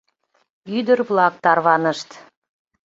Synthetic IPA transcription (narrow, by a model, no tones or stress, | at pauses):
yd̪əɾβlɑk̚t̪ɑrβɑnəʃt̪